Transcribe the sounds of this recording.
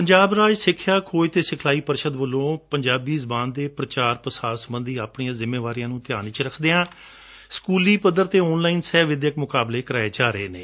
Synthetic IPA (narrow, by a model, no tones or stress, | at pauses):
pəɲd͡ʒaːbɾaːd͡ʒsɪkʰːjaːkʰoːjt̪eːsɪkʰlaːiːpəɾʃəd̪bəːlõːpəɲd͡ʒaːbiːzəbãːnd̪eːpɾət͡ʃaːɾpəsaːɾsəmbənd̪iːaːpɳiːãːzɪmeːʋaːɾijãːnũːt̪ɪja̰ːnɪt͡ʃɾəkʰd̪eːãː | skuːliːpəd̪əɾt̪eːɔːnlaːinsɛːʋɪd̪jəkmʊkaːbleːkəɾaːeːd͡ʒaːɾəeːnḛː